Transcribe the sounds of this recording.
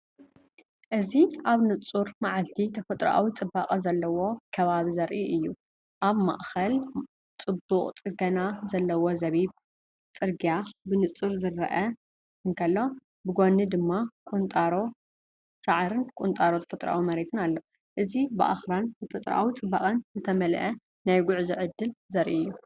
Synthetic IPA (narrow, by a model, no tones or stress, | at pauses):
ʔɨziʔaβnɨt͡sʼuɾmaʕalt̪ʰit̪ʰɐfɐt̪ʼɾʔa̰wit͡sʼɨbːakʼɐzɐlːɐwo̞kʰɐβaβizɐɾʔiʔɨjːu | ʔaβma̰ʔxɐl | t͡sʼɨbːuqʼt͡sʼɨɡɐnazɐlːɐwozɐβiβ | t͡sʼɨɾɡjabɨnɨt͡sʼɨɾzɨɾɐ̰ʔɐ | ɨŋkʰɐlːo̞ | bɨɡo̞nɨd̪ɨmːakʼunt̪ʼaɾo | saʕɾɨnkʷʼunt̪ʼaɾot̪ʰɐ̥fɐt̪ʼɾa̰wimɐɾet̪ʰɨnalːo | ʔɨzibɨʔa̰xɾant̪ʰɐfɐt̪ʼɾ̰ʔa̰wit͡sʼɨbːaχʼɐnzɨt̪ʰɐmɐlʔɐ | najɡʊʕziʕɨd̪ːɨlzɐɾʔḭɨjːu